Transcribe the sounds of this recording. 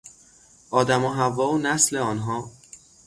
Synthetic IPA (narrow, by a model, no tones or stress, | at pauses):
ʔɒːd̪æmoɦævɒːonæsleɒːnɦɒː